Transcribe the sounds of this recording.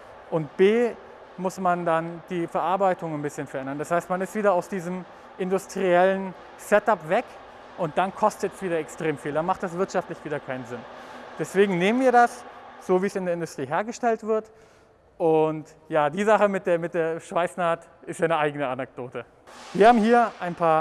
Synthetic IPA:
ʔʊntb̥eː | mʊsmandand̥iːfɛɐʔaɐbaɪtʊŋanbɪsçənfɛɐʔɛndɐndashaɪstmanɪstv̥iːdɐaʊsd̥iːzəm | ʔɪndʊstʁ̥iɛlən | sɛtapv̥ɛk | ʔʊnt̚d̥ankʰɔstətɛsv̥iːdɐɛkstʁ̥eːmfiːldanmaχt̚d̥as̬v̥ɪɐtʃaftlɪçv̥iːdɐkʰaɪnənzɪnd̥ɛsv̥eːɡŋ̩neːmənviːɐdasz̥oːviːəsɪndeːɐɪndʊstʁ̥iːɦeːɐɡəʃtɛltv̥ɪɐt | ʔʊnt | jaːdiːzaχəmɪt̚d̥eːɐmɪt̚d̥eːɐʃv̥aɪsnaːt | ɪstjaːnəʔaɪɡənəanɛk̚d̥oːtə | viːɐhaːbm̩hiːɐʔaɪnpʰaːɐ

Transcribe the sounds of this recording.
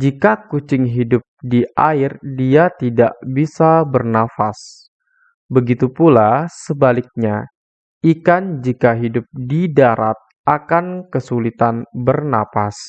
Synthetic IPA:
d͡ʒikakut͡ʃɪŋɦidʊp̚diaɪrdiat̪ida̰ʔbisabərnafas | bəɡit̪upulasəbalɪk̚ɲa | ikand͡ʒikaɦidʊp̚didaɾa̰t̪̚ | akankəsulit̪anbərna̰fas

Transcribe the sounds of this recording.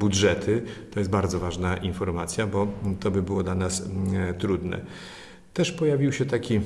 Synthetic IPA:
budʐɛt̪ʰɘt̪ɔjɛst̪baɾd̪zɔvaʐnaʔinfɔɾmat̪sʲjabɔt̪ɔbɘbɘwɔd̪lanast̪ɾud̪nɛ̰ | t̪ɛʂpɔjavʲiwɕɛt̪akʲi

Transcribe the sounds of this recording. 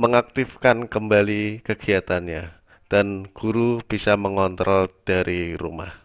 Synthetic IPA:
məŋak̚t̪ifkankəmbalikəɡ̥iat̪anɲa | d̥anɡ̥uɾub̥isaməŋɔnt̪ɾɔld̥aɾʔiɾṵma̰h

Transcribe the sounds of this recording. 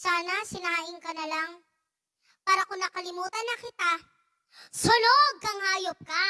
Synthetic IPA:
saːnɐsɪnaːhɪŋkɐnɐlaŋ | paːɾɐkʊnnɐkɐlɪmuːt̪ɐnːɐkɪt̪a | soloɡ̚ɐŋhaːjop̚ka

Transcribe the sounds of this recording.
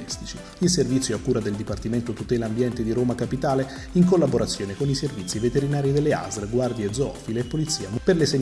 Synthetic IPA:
ist̪i̥t͡ʃi | ilservit̪sjoakːuːɾad̪eld̪ipart̪iment̪ot̪ut̪ɛːlaːmbjɛnt̪ed̪iɾoːmakapit̪aːle | iŋkolːaboɾat̪sːjoːnekoniservit̪sːivet̪eɾinaːɾid̪elːea̰zɾɡward̪jaed̪zoɔ̰fileːpːolit̪sːiːamperleseɲ

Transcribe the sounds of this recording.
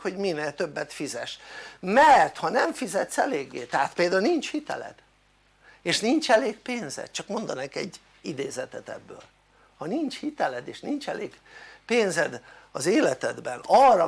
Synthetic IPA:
ho̞ɟmineːt̪ø̞bːɛt̪fizɛʃmɛrt̪hɒnɛɱfizɛt̪sɛleːɡːḛːt̪ɛɦaːt̪peːld̪aunint͡ʃhit̪ɛ̰lɛ̰d̪̥ | eːʃnint͡ʃɛleːkpeːnzɛ̰t̪t͡ʃɒkmo̞nd̪ɒnɛkɛ̰ɟː | id̪eːzɛt̪ɛt̪ɛ̰bːø̰ːl | hɒnint͡ʃhit̪ɛlɛd̪eːʃnint͡ʃɛleːɡpeːnzɛd̪ɒzeːlɛt̪ɛd̪bɛnɒrɒ

